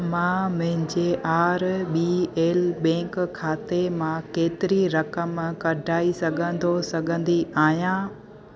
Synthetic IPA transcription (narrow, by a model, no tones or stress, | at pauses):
mãmɐ̃ɦɪ̃ɲd͡ʑeʔaːɾɓiːeːlɓɛ̃ːŋkkʰːaːt̪emãkeːt̪ɪɾiɾɐkəmkɐɖʱaːisɐɡʱə̃nd̪osɐɡʱə̃nd̪iaːɦijãː